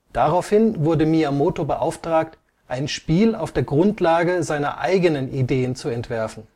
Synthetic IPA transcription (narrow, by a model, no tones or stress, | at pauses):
d̥aʁaʊfhɪnvʊɐdəmiamoːtobəʔaʊftʁ̥aːkt | ʔaɪnʃpiːlaʊfd̥eːɐɡʁʊntlaːɡəzaɪnɐ̰ʔa̰ɪɡənənideːənt͡suɛntv̥ɛɐfn̩